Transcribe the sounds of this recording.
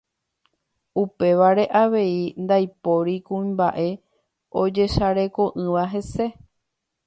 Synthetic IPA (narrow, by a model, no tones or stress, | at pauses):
upe̞ʋaɾe̞ʔaʋe̞ind̪ajpo̞ɾikũĩmbaʔe̞ | od͡ʒe̞ʃaɾe̞ko̞ʔɨ̃ʋaɦe̞se̞